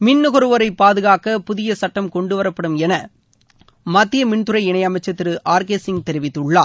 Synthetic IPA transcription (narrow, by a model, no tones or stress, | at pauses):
mɪnːʊɣɐɾɯʋɐɾɐɪpːaːðɯɣaːkɐpʊðɪjɐsɐʈːɐmkɔɳɖɯʋɐɾɐpːɐɽɯmɛnɐ | mɐt̪ːɪjɐmɪɳt̪ɯɾɐɪɪɳɐɪɐmɐɪt͡ʃːɐt̪ːɪɾɯʔaːɾkeːsɪŋɡ̚t̪ɛɾɪʋɪt̪ːɯɭːaː